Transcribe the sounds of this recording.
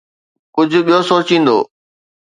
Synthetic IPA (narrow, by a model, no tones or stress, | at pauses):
kʊd͡ʑʱʊ̆ɓijosoːt͡ɕĩːnd̪o̰ː